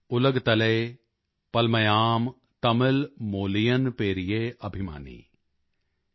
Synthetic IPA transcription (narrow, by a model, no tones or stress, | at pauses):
ʊləɡt̪ɐleː | pɐlmɐjaːm | t̪ɐmɪlmoːlijənpeːɾijeːɐbʱɪma̰ːnḭː